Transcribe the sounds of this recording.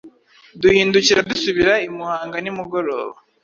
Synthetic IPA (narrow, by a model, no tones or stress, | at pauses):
duhiːnduciɾadusuβiɾaimuhaːŋɡanimuɡo̞ɾo̰ːβa